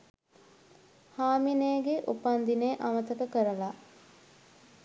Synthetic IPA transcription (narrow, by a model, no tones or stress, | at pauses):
haːmineːɡeʔupand̪ineʔamət̪əkəkəɾəla